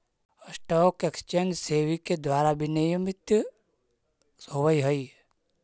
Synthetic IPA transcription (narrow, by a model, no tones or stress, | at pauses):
əsʈɔːkekst͡ʃənd͡ʒseːʋiked̪waːɾabʱinijəmɪt̪j | owəiɦəi